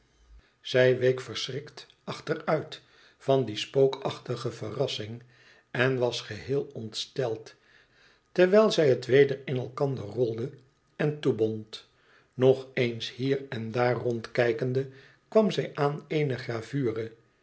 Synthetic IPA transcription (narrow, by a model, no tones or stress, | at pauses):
z̥ɛjʋejkfəɹsrɪkt | ɑχtərœɥt | fɑndispowkɑχtəχəfərɑsɪŋ | ɛnʋɑsχəhɪːlˠɔntstɛlˠt | tɛɹʋɛjlˠzɛjɦətʋejdəɹɪnɛlˠkɑndərɔlˠdə | ɛntubɔnt | nɔχejnshiːrɛndaːrɔntkɛjkəndə | kʋɑmzɛjʔaːneɪnəχraːvyːrə